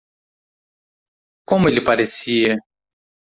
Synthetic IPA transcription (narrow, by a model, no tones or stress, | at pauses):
kõmʊelɪpaɾesiɐ